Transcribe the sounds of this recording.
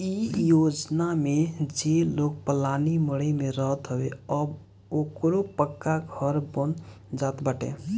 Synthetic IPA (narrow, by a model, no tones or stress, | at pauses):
ijod͡ʒnamed͡ʒelok̚pəlaniməɽemeɾəɦət̪ɦəbeəb | okɾopəkːaɡʱəɾbən | d͡ʒat̪baʈḛ